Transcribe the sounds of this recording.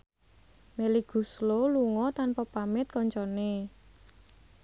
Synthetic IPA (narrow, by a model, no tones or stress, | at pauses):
meliɡ̥ṳsloluŋɔt̪anpɔpamɪt̪̚kɔɲt͡ʃɔne